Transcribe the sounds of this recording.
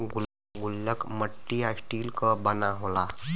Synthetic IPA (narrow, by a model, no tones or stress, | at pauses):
ɡul | ɡulːəkməʈːiɦasʈiːlkəbənaɦola